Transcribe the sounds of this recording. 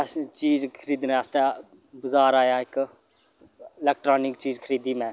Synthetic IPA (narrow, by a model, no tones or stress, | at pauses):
t͡ʃiːzkʰəɾiːd̪nɛ̃ːəst̪e | bʊzaːɾaːjaːɪk | ɪlɛk̚ʈɾaːnɪkt͡ʃiːzkʰəɾiːd̪iːmɛ̃ː